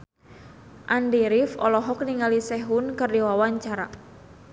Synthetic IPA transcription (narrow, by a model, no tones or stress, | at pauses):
ʔandiɾifɔ̰lɔɦɔk̚niŋalisɛɦunkɨrdiwawaɲt͡ʃaɾa̰